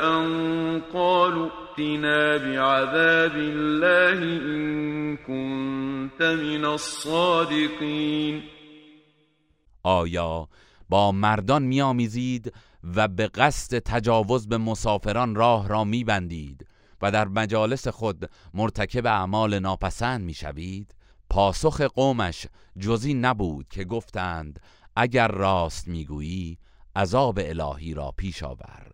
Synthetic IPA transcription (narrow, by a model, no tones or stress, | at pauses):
ʔanqɑːlʊʔt̪ɪnaːbɪʕaðaːbɪlːaːhɪʔɪnkʊnt̪amɪnasˤːɑːd̪ɪqiːn | ʔɒːjɒː | bɒːmæɾd̪ɒnmiːɒːmiːziːd̪ | væbeɣæst̪e̞t̪ʰæd͡ʒɒːvo̞zbe̞mo̞sɒːfe̞ɾɒnrɒːhɾɒːmiːbænd̪iːd̪ | væd̪æɾmæd͡ʒɒːle̞se̞xo̞d̪moɾt̪ʰækʰe̞beæʔmɒːle̞nɒːpʰæsænd̪miːʃæ̰viːd̪̥ | pʰɒːso̞xe̞ɡoːmæʃ | d͡ʒoziːnæbuːd̪̥cʰe̞ɡo̞ft̪æːnd̪ | ʔæɟæɾːɒːst̪miːɡuːjiː | ʔæzɒːbe̞elɒ̰ːɦiːɾɒ̰ːpʰiːʃɒ̰ːvæ̰ɾ